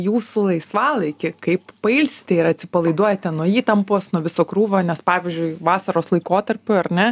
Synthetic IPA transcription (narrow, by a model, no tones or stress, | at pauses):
juːsʊlˠɐɪsʋɑːlˠɐɪkʲɪkɐɪppɐɪlʲsʲt̪ʲɛɪɾɐt̪ʲsʲɪpɐlˠɐɪd̪uɔjɛt̪ʲɛnnuɔiːt̪ɐmpoːsnuɔʋʲɪsoːkɾuːʋoːnʲɛspɑːʋʲɪzʲd͡ʒʲʊɪʋɑːsɐɾoːslˠɐɪkoːt̪ɐɾʲpʲʊɐɾnʲɛ